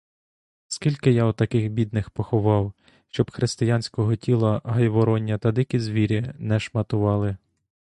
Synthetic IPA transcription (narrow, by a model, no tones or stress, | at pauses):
skʲilʲkɪjawt̪ɐkɪxbʲid̪nɪxpɔxɔʋɑw | ʃt͡ʃɔbxɾɪst̪ɪjanʲsʲkɔɦɔtʲilˠɐɦɐjʋɔɾɔnʲːɐt̪ɐd̪ɪkʲizʋʲiɾʲinɛʃmɐt̪ʊʋɑlˠɪ